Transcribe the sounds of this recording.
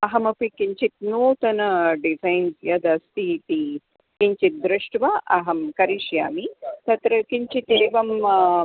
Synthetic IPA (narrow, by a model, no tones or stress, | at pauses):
ɐɦɐmɐpikiɲt͡ʃit̪̚noːt̪ɐnɐɖizajnsjɐd̪ɐst̪it̪i | kiɲt͡ʃit̪̚d̪ɾɨʂʈʋaʔɐɦɐmkɐɾiʃjaːmit̪ɐt̪ɾɐkiɲt͡ʃit̪iɾiʋɐm